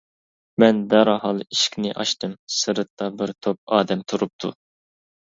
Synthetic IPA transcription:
mɛnd̪æɾɑhɑlˠiʃkʲnɪ̰ʔɑ̰ʃt̪ɨmsɨɾɨt̪ːɑbɪɾt̪ʰop̚ɑːd̪ɛmt̪ʰuɾup̚t̪ʰṵ

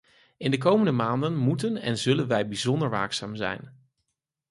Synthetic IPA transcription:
ɪndək̬owməndəmaːndənmutənɛ̰nzɵlənʋɛjbizɔndəɹʋa̰ːksa̰ːmzɛ̰jn

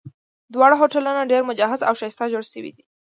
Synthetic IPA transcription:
d̪wɑɽaɦoʈalunaɖeɾmʊd͡ʒɑɦazawʃajst̪ad͡ʒoɽʃəwḭd̪i

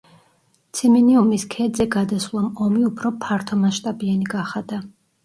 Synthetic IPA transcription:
t̪sʰimɛniumiskʰɛd̪zɛɡad̪aslˠɔmɔmiupʰɾɔpʰaɾt̪ʰɔmaʃt̪ʼabianiɡaχad̪a

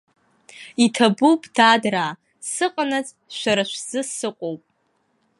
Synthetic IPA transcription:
itʰabuwpʼd̥adraː | sɨqʼanat͡sʼ | ʃʷaɾaʃʷz̥ɨsɨqʷʼowpʼ

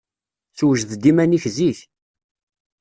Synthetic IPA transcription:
θwəʒðd̪imæniçziç

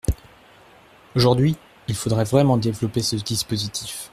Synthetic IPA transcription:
oʒuʁd̪ɥi | ilfod̪ʁɛvʁɛmɑ̃d̪evlɔpesəd̪ispozit̪ʰif

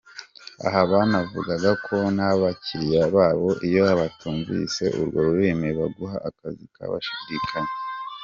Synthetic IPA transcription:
a̰ɦaβanavṵɡaɡakʰo̞nhaβaciɾijaβaːβo̞ʔijo̞aβatuːɱvḭse̞̰ʔṵɾɡo̞ɾuɾeːmiβaɡuɦaʔakazika̰βa̰ʃidikʰaɲe

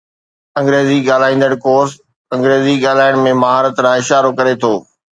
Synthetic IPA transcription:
ɐ̃ŋɡɾeːziɠaːl̤aːĩːn̆d̪əɽ̃koːɾs | ɐ̃ŋɡɾeːziɠaːlaːɪɽ̃mẽmɐɦaːɾət̪ɾãːɪʃaːɾokɐɾet̪ʰoː

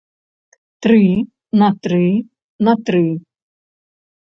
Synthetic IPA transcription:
t̪ɾɨ | nɐt̪ɾɨ | nɐt̪ɾɨ

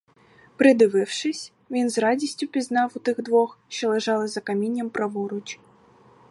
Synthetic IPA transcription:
pɾɨd̪ɪvɨwʂɨsʲ | vʲinzradʲisʲt͡sʲupʲiznawut̪ɨɣd̪vɔxʃt͡ʃɔlˠɛʐalˠɨzɐkamʲinʲːɐmpɾɐvɔɾut͡ʃ

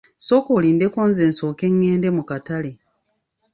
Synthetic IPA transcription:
so̞ːkoːliːnde̞koːnze̞ːnso̞ːke̞ŋːe̞ːnde̞mukatale̞

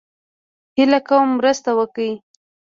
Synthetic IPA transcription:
hɪlakawəmːɾəst̪awəkəi

